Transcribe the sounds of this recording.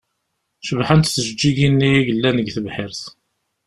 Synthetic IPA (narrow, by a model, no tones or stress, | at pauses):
ʃəvħənt̪θəʒəd͡ʒːiʝinːijiʝəlːænəɡθəvħɪɾθ